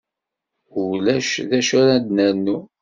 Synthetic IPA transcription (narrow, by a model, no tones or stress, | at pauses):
ʊlæʃðæʃaɾad̪næɾnːu